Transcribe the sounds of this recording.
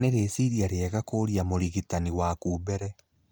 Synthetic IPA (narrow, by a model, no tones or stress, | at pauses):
neɾesiɾiaɾeɛɣakoːɾiamoɾiɣitaniwakuːbɛɾɛ